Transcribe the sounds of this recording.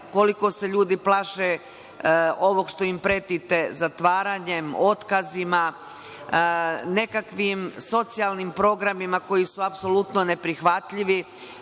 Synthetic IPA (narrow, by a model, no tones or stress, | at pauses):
ko̞liko̞seʎuːd̪iplˠaːʃe | o̞ʋo̞ɡʃt̪o̞impɾe̞t̪it̪e̞zat̪ʋaːɾaɲe̞mo̞t̪kazima | ne̞kakʋimso̞t̪sialˠnimpɾo̞ɡɾamimako̞jisuapso̞lut̪no̞ne̞pɾixʋat̪ʎiʋi